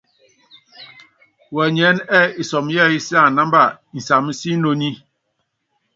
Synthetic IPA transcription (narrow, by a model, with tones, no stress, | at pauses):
wɛ˨ɲɛ˨˦nɛ˦i˨sɔ˨m˦jɛ˦˨i˦si˦a˦˨na˦m˦ba˦˨n̩˨sa˨m˦si˦no˦ɲi˦